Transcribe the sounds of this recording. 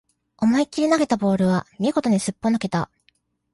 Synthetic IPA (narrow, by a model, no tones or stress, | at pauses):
o̞maikʲiɾʲinaɡe̞t̪abo̞ːɾɯ̟β̞amʲieɡo̞t̪o̞ɲisɨpːo̞nake̞t̪a